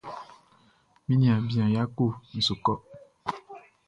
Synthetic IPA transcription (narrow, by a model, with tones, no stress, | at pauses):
mĩ˦nĩ˨ã˨bi˨ã˨ja˦ko˦˨n̩˨so˨kɔ˦